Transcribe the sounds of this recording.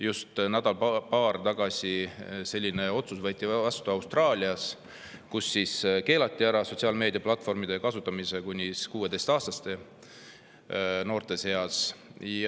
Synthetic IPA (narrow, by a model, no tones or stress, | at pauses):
just̪næd̪̥ɑlppɑːrt̪ɑɡ̥ɑsʲise̞lʲːine̞o̞t̪susvɤjt̪ːˑivvɑst̪uɑwst̪rɑːlʲiɑs | kusːiske̞ːlɑt̪ʲˑːiæɾɑso̞t̪siɑːlme̞ːd̪̥ʲijɑplɑt̪ːˑfo̞rmid̪̥ekɑsut̪ːˑɑmise̞kunʲːiskuːe̞d̪e̞jst̪ɑːst̪ɑst̪e̞ | no̞ːrt̪e̞se̞ɑs